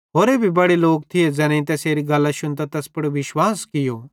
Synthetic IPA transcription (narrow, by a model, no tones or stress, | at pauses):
ɦoːɾeːbʱibɐɽeloːk̚t̪ʰɪjed͡zɛːnɛ̃ĩt̪̬ɛseːɾiɡɐlːaʃʊnt̪at̪ɛspɐɽoʋɪʃwaːskɪjoː